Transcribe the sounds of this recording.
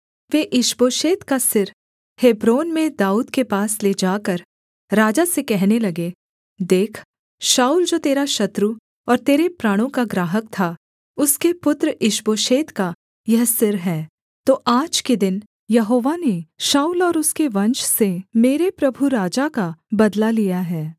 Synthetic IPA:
ʋeːʔɪʃboːʃeːt̪kasɪɾ | heːbɾoːnmẽd̪aːuːd̪kepaːsled͡ʒaːkəɾ | ɾaːd͡ʒasekɛɦnelɐɡe | d̪eːkʰ | ʃaːuːld͡ʒoːt̪eːɾaʃɐt̪ɾu | ɔːɾt̪eːɾepɾaːɽ̃õkaɡɾaːɦək̚t̪ʰa | ʊskepʊt̪ɾɪʃboːʃeːt̪ka | jɐɦsɪɾɦɛː | t̪oːʔaːd͡ʒked̪ɪn | jɐɦoːʋaneʃaːuːlɔːɾʊskeʋɐ̃nʃsemeːɾepɾɐbʱuɾaːd͡ʒakabɐd̪lalijaɦɛː

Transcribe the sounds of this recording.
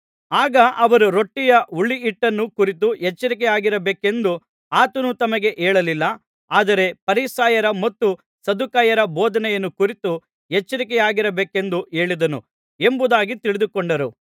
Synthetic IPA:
aːɡɐʔɐʋɐɾuɾo̞ʈːijɐuɭːiːʈːɐnːukuɾit̪̬uɦet͡ʃːɐɾikɛjaːɡiɾɐbeːke̞nd̪u | aːt̪ɐnut̪ɐmɐɡe̞ʔeːɭɐlilːɐ | aːd̪ɐɾe̞pɐɾisaːjɐɾɐmɐt̪ːu | sɐd̪ukaːjɐɾɐboːd̪ɐnɛjɐnːukuɾit̪u | ɦet͡ʃːɐɾikɛjaːɡiɾɐbeːke̞nd̪ue̞ːɭid̪ɐnu | e̞mbud̪aːɡit̪iɭid̪ukoɳɖɐɾu

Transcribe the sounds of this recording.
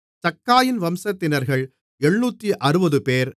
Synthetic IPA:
t̪ɐkːaːjɪnʋɐmsɐt̪ːɪnɐɾɣɐɭ | ɛɳːuːt̪ːiʔɐɾɯbɐðɯpeːɾ

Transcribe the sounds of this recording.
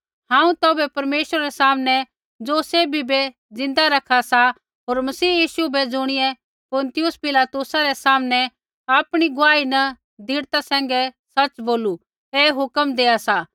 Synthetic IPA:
ɦãːũt̪oːbɛpɐɾmeːʃəɾaɾɛsaːmnɛ | d͡zoːsebʱibe | d͡zɪ̃nd̪aɾɐkʰːasa | ɦoːɾmɐsiːjiːʃubɛd͡zʊɽ̃ɪjɛ | pʊnt̪ɪjʊspɪlaːt̪ʊsaɾɛsaːmnɛ | aːpɽ̃iɡʊaːinɐ | d̪ʱiːɽt̪asɛ̃ːŋɡɛ | sɐt͡ʃboːlu | eːɦʊkəmd̪eːasa

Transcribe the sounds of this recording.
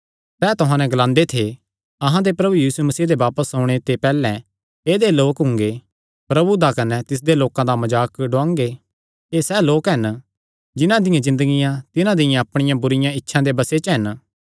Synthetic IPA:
sɛːt̪ʊɦãnɛ̃ɡɐlãːnd̪et̪ʰe | ɐɦãd̪epɾɐbujiːsumɐsiːd̪eʋaːpəsɦoːɽ̃et̪epɛːlɛ̃ | eːd̪eloːkɦʊ̃ŋɡe | pɾɐbud̪akɐnɛt̪ɪs̬d̪eloːkãd̪amɐd͡ʒaːkɖʊãːŋɡe | eːsɛːloːkɦɐn | d͡ʒɪnãd̪ɪjãzɪ̃nd̪əɡɪjãt̪ɪnãd̪ɪjãɐpɽ̃ɪjãbʊɾɪjãɪtːʃʰãd̪ebɐset͡ʃəɦɐn

